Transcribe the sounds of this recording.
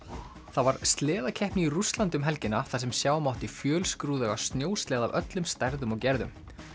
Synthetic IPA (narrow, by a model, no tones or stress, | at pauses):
θavaɾ̥st̪lɛːðacʰɛhpniirust̪lant̪ʏmɦɛlcɪnaθas̬ɛmsjaːwmawht̪ifjœːlskɾuːðɛɣast̪njoːwst̪lɛːðavœ̰t̪lʏmst̪ɛɾðʏmɔɣcɛɾðʏ̰m